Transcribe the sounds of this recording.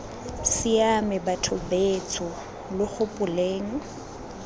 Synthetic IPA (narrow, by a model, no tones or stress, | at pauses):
siamɪbatʰʊbet͡sʰʼɔ | lɪχʊpʼʊleːŋ̩